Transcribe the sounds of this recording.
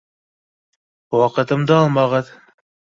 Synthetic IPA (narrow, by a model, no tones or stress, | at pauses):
wɑqɤ̆t̪ɤ̆md̪ɤɑlˠmɑʁɤð